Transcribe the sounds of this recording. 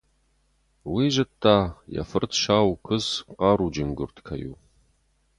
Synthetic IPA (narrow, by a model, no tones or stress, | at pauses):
wiʒɨtʰːaːja̰fɨrtʰʃaːwkʷʰɨzqɑːɾud͡ʒɪnɡʊ̰rtʰkʰɐjṵ